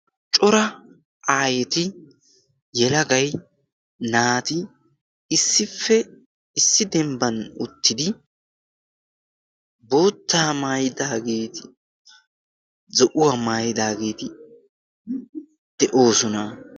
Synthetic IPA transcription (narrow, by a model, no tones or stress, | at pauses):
t͡ʃʼɔɾɐ | ʔaːjɛt̪ɪ | jɛlɐɡɐj | naːt̪ɪ | ɪsːɪfːɛ | ɪsːɪd̪ɛmbɐnʊ̰t̪ːɪd̪ɪ | bo̞ːt̪ːaːmaːjɪd̪aːɡe̞ːt̪ɪ | zɔʔʊwaːmaːjɪd̪aːɡe̞ːt̪ɪ | d̪̥ɛʔo̞ːsɔnɐ